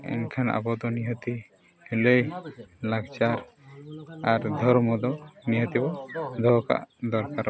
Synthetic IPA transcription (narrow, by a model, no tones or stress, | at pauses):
ɛ̰nkʰana̰bɔd̪ɔniɦət̪i | heləjlaɡt͡ʃaɾ | aɾd̪ʱɔɾmɔd̪ɔniɦət̪ibɔd̪ʱɔɦka̰ʔd̪ɔɾkaɾ